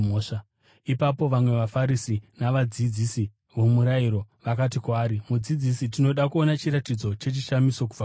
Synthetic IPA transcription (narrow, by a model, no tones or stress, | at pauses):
oːʂa | ipapo̞ʋamwe̞ʋafaɾisinaʋad͡zid͡ziːsi | ʋomuɾaiɾo̞ʋakat̬ikwaːɾimud͡zid͡zisitino̞ɗakuonat͡ʃiɾatid͡zo̞t͡ʃe̞t͡ʃiʃamiso̞kub͡va